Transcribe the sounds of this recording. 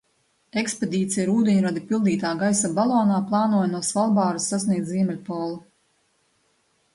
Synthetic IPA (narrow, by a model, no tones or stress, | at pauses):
eksped̪ʲiːt̪sʲijɾuːd̪ʲeɲuɾad̪ipilˠd̪iːt̪aːɡajsabalˠɔːnaːplˠɑːnuɔjanuɔsvalˠbaːɾusːasniɛzziɛmɛlʲpɔːlˠu